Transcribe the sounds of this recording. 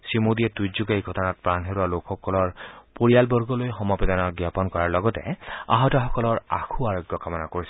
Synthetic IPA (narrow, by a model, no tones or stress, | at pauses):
simodiɛtujzuɡajɡʱɔtɔnat̚pɹanɦeɹualokxɔkɔlɔɹpoɹijalbɔɹɡɔlojxɔmɔped̪ɔnɔɡjapɔnkɔɹaɹlɔɡɔtɛ̰a̰ɦɔtɔxɔkɔlɔɹa̰kʰuaɹoɡjɔkamɔnakoɹisɛ